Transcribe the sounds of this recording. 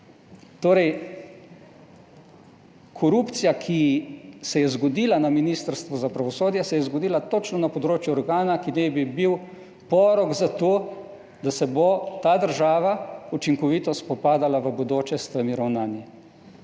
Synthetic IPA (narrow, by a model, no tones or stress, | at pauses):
t̪oːɾɛj | kʰɔɾuːpt̪sijakʰisɛjɛzɡɔd̪iːlanaminist̪əɾst̪ʋɔzapɾaʋɔsoːd̪jɛsɛjɛzɡɔd̪iːlat̪ɔt͡ʃnɔnapɔd̪ɾoːt͡ʃjuɔɾɡaːnakinɛjbibiw | pɔːɾɔɡzat̪oː | d̪asɛbot̪aːd̪əɾʒaːʋaut͡ʃiŋkɔʋiːt̪ɔspɔpaːd̪alaʋəbɔd̪oːt͡ʃɛst̪ʋəmiɾawnaːni